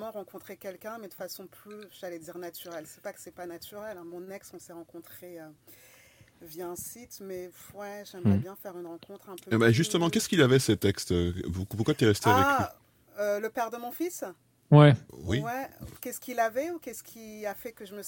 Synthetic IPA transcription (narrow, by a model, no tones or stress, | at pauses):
mɑ̃ʁɑ̃kɔ̃t̪χekʲɛlkʲɛ̃mɛd̪əfasɔ̃plyʒalɛd̪iʁnat̪ʰyʁɛlsɛ̥pakə̥sɛpanat̪yʁɛlɛ̃mɔ̃nɛksɔ̃sɛʁɑ̃kɔ̃t̪χeø | vjaɛ̃sit̪mɛ | wɛʒɛmʁɛbjɛ̃fɛʁynʁɑ̃kɔ̃t̪χɛ̃pøebɛʒyst̪əmɑ̃kʲɛskʲilavɛsət̪ɛkst̪øupuʁkwat̪yɛʁɛst̪eavɛki | øləpɛʁd̪əmɔ̃fis | wɛwiwɛkʲɛskʲilavɛukʲɛskʲʰiafɛkəʒəmə